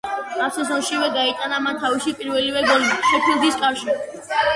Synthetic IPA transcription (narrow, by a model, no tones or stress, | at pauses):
asʰɛzɔʃivɛɡait̪ʼanamant̪ʰaviʃipʼiɾvɛlivɛɡɔlʃɛpʰilˠd̪iskʼaɾʃi